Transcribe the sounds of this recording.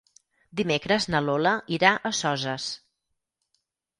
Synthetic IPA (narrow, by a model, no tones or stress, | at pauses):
d̪imekɾəznəloləʔiɾaʔəsɔzəs